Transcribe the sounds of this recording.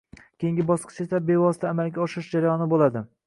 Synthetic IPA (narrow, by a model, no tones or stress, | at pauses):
kʲʰejɪŋɡʲɪbɒsqʰɨ̥t͡ʃesabe̞vɒsɪ̥t̪ʰaːmalɡʲaɒʃɪɾɪʃd͡ʒaɾajɒnɪbolad̪ɪ